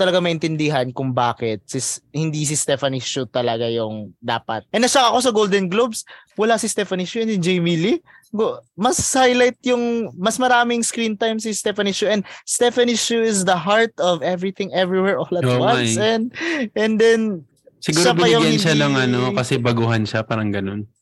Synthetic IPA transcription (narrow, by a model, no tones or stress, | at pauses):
t̪ɐlɐɡamɐʔɪnt̪ɪnd̪ɪɦɐnkʊŋba̰ːkɪt̪̚sɪshɪnd̪is̬ist̪ɛfɐniʃut̪ɐlɐɡajʊŋd̪a̰ːpɐ̰t̪̚ʔɛnːɐʃɐkɐko̞sɐɡowld̪ɛnɡlobs | wɐlasist̪ɛfɐniʃuɛnsɪd͡ʒɛjmili | ɡomɐshajlajt̪̚jʊŋmɐsmɐɾaːmɪŋskɾint̪ajmsist̪ɛfɐniʃuʔɛ̃nd̪̚st̪ɛfɐniʃuɪsd̪ɐɦaɹt̪ɔvɛvɹiθɪ̃ŋʔɛvɹiwɛɹʔolɐtowansɛ̃nd̪̚ʔɛnd̪ɛn | sɪɡuːɾʃabɐjʊɡɐnʃalɐŋɐnokɐsɛbɐɡuɦɐnʃapaːɾɐŋɡɐnon